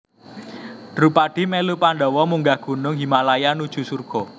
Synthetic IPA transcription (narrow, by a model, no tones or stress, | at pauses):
d̪̥ɾupaɖ̥i̤melupand̪ɔwɔmuŋɡahɡ̥ṳnʊŋɦimalajanud̥ʒ̥ṳsurɡ̥ɔ